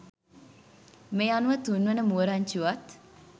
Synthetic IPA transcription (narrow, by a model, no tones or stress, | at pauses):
meanuʋət̪unʋənəmuəɾaɲt͡ʃuʋat̪